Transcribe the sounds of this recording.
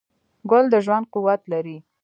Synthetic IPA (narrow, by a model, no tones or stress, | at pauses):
ɡʊld̪əʒwand̪̚quwat̪laɾi